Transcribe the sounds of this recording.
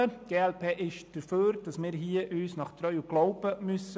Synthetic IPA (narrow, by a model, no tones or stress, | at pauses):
əɡ̥eːɛlpʰeːʔɪʃd̥əɾføːɾd̥ɑsmɪːɾɦiəʔyːsnɑχt̪ɾœʏuɡ̥lɔʊb̥əmʏs